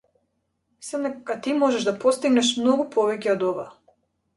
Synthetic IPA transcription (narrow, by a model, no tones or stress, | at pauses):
mislˠɛmd̪ɛkat̪imɔʒɛʒd̪apɔst̪iɡnɛʃ̬mnɔɡupʰɔvɛcɛɔd̪ɔva̰